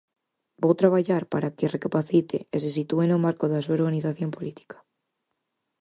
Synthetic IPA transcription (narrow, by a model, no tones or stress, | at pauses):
bowt̪ɾaβ̞aʝaɾpaɾakerekapaθit̪ḛeses̬it̪uenomaɾkoðasweɾβaniθaθjo̞mpo̞lit̪i̥kḁ